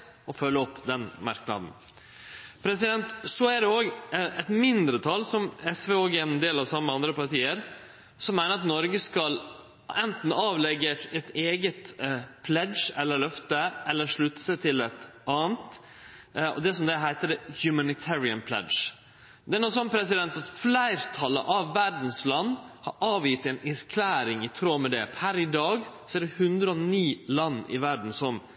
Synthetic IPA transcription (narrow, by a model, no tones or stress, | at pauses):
ɔfœlːəɔpːd̪ɛnmɑɾknɑ̰d̪n̩ | pʰɾɛsɪd̪ɛnt̪sɔæɖɛoːɡɛt̪mɪnd̪ɾət̪ʰɑlsɔmɛsʋeːoːɡæɾɛnd̪eːlɑʋsɑmːəɑnd̪ɾəpɑɾʈ̪iːəɾ | sɔmːæɪnəɾɑt̪nɔɾɡəskɑl | ɛnt̪n̩ɑːʋlɛɡːət̪ɛt̪eːɡət̪pʰlɛd̪ʃɛlːəɭœft̪əʔɛlːəɾʂɭʉt̪ːsət̪ʰɪlɛt̪ʔɑːnt̪ | ɔ̰d̪ɛsɔmd̪ɛɦæɪt̪əd̪ɛhjʉmænɪt̪ʰæɾɪənpʰlɛ̰d̪ʃ | d̪ɛæɳuːsɔnːpʰɾɛs̬ɪd̪ɛnt̪ɑt̪flæɪɾt̪ʰɑlə̰ʔɑʋːæɾdn̩slɑnːhɑɾʔɑːʋjɪt̪ɛnɛɾkʰlæːɾɪŋɪt̪ʰɾoːmɛd̪ɛ̰pʰæɾɪd̪ɑːɡsɔæɖɛhʉnd̪ɾəɔniːlɑnːɪ̰ʋæɖɳn̩sɔm